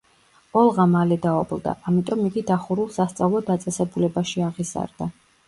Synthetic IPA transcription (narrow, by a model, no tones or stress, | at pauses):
ɔlˠʁamalɛd̪aɔblˠd̪a̰ʔamit̪ʼɔmːiɡ̪id̪aχuɾulˠsast̪sʼavlˠɔd̪at̪sʼɛsɛbulɛbaʃiaʁiza̰ɾd̪a